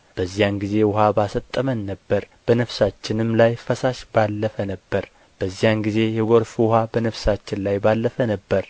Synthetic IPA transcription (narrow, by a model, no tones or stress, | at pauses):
b̥əzːijanɡize̞wʊɦabasət̪ʼːəmənːəbːəɾ | b̥ənəfsat͡ʃːɪnɨmlajfəsaʃb̥alːəfənəbːəɾ | b̥əzːijanɡize̞jɛɡoɾfuwʊɦabənəβsat͡ʃːɪnlajbalːəfənəbːəɾ